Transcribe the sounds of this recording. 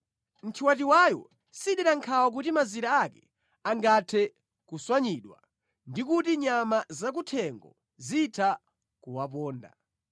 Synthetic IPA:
m̩tʰiwatiwajɔ̰ | siɗɛɾaŋkʰawak̬utimaziɾaːkɛ̥ | aŋɡatʰɛ | kuswaɲiɗwa̰ | ndikutiɲamazak̬utʰɛŋɡɔ̰ | zitʰa | kuwapɔːnda̰

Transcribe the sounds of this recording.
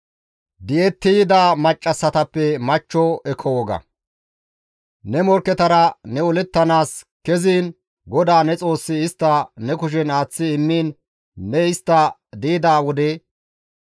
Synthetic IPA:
d̪ɪjɛt̪ːɪjɪd̪aːmɐt͡ʃʼːɐsːɐt̪ɐpːɛmɐt͡ʃːɔɛkʰːɔwɔɡɐ̰ | nɛmɔɾkːɛt̪ɐɾɐnɛʊlɛt̪ːɐnaːs | kɛziːn | ɡɔd̪aːnɛt͡sʼo̞ːsːɪːst̪ːɐnɛkʊʃ̬ɛnaːt͡sːɪːmːiːnː | ɛɪst̪ːɐd̪iːd̪aːwɔd̪ɛ

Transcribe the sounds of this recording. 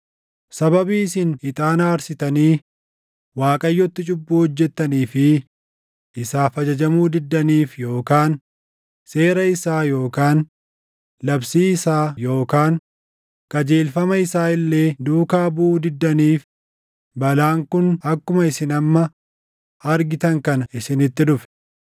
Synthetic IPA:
sɐbɐbiːɪsɪnhɪt̪ʼaːnaːɾsɪt̪ɐniː | waːkʼɐjːɔt̪ːɪt͡ʃʼʊbːuːhɔd͡ʒːɛt̪ːɐniːfɪ | ʔɪsaːfɐd͡ʒɐd͡ʒɐmuːd̪ɪd̪ːɐniːfjo̞ːkaːn | se̞ːɾɐɪsaːjo̞ːkaːn | lɐbsiːɪsaːjo̞ːkaːŋ | kʼɐd͡ʒe̞ːlfɐmɐɪsaːɪlːe̞ːd̪uːkaːbuːd̪ɪd̪ːɐniːf | bɐlaːŋkʊnɐkːʊmɐɪsɪnɐmːɐ | ɐɾɡɪt̪ɐŋkɐnɐɪsɪnɪt̪ːɪd̪ʊfɛ̥

